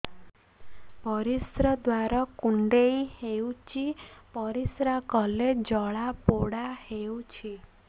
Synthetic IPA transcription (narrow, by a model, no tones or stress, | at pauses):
bɔɾisɾɔd̪waɾɔkuɳɖeiheut͡ʃipʌɾisɾakɔled͡ʒɔɭapoɽaheut͡ʃʰi